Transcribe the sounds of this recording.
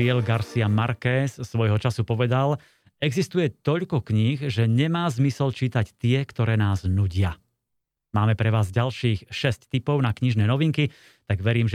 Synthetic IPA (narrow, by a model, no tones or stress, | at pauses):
iɛlɡaɾsiamaɾkɛssːʋɔjɦɔt͡ʃasupɔʋɛd̪al | ɛɡzist̪ujɛt̪ɔʎkɔkɲixʒɛɲɛmaːzmisɛlt͡ʃiːt̪act̪ɪɛkt̪ɔɾɛːnaːznuɟɪa | maːmɛpɾɛʋaːzɟalʃiːxʃɛsct̪ipɔʊnakɲiʒnɛːnɔʋiŋki | t̪aɡʋɛɾiːmʒ